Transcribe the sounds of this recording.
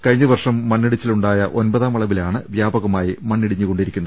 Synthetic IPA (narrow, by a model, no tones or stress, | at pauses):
kɐɻiɲːɐʋɐrʂɐmːɐnːiɽit͡ɕːiluɳɖaːjɐʔo̞nbɐðaːmɐɭɐʋilaːɳɨʋjaːbɐɣɐmaːjimɐnːiɽiɲːuko̞ɳɖiɾikʲːunɐð